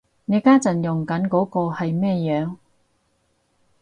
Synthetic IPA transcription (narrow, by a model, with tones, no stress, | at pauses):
ne˨˧kaː˥t͡sɐ˨njʊ˨˩ŋkɐ˨˥nkɔː˨˥kɔː˧hɐ˨jmɛː˥˧jœː˨˧ŋ